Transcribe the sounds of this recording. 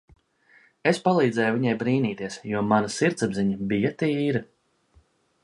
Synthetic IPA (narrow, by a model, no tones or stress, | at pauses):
espalˠiːd̪zɛːjuvʲiɲajbɾiːniːt̪iɛsjuɔmanasiɾt̪sabziɲɐbijat̪iiːɾi